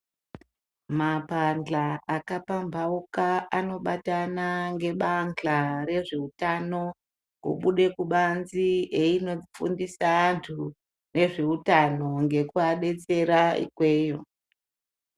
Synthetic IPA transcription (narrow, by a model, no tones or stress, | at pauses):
mapand͡ɮaakapambʱaukaano̞ɓatanaŋɡe̞ɓand͡ɮaɾe̞ʐe̞utano̞ | kṵɓuɗe̞kuɓanzieino̞ifṵndisaantʰu | ne̞ʐe̞utano̞ŋɡe̞kuaɗe̞t͡se̞ɾaḭkwe̞ːjo